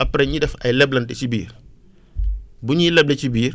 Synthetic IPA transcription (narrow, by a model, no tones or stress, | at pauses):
ɐpɾɛɲidɛfɐjlɛblɐntɛt͡ʃibḭːr | buɲilɛblɛt͡ʃibiːr